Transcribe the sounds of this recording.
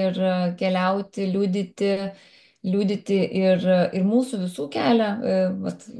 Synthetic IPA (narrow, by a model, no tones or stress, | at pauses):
ɪrkʲɛlʲɛʊt̪ʲɪlʲuːd̪ʲɪt̪ʲɪ | lʲuːd̪ʲɪt̪ʲɪʔɪrɪrmuːsʊʋʲɪsuːkʲæːlʲɛʋɐt̪